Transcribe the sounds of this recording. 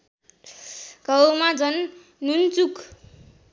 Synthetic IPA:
ɡʌwmad͡zʌnː | unt͡suk

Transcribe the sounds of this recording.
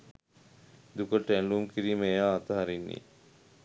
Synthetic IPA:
d̪ukəʈæɳlumkiɾiːmejaːt̪əɦaɾinːḭː

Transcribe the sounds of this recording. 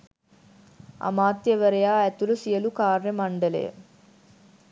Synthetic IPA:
ɐ̰maːt̪jɐʋɐɾɐjaːɐt̪ulusijɐlukaːɾemɐɳɖɐlḛː

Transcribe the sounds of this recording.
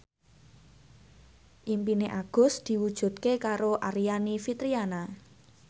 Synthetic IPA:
ʔimpineʔaɡ̥ʊ̤sd̪̥i̤wud̥ʒ̥ṳt̪̚kekaɾoʔaɾijanifit̪ɾiana

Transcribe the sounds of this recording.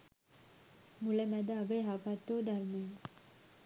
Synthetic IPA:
mulamad̪aːɡajɦapat̪ːod̪aɾma

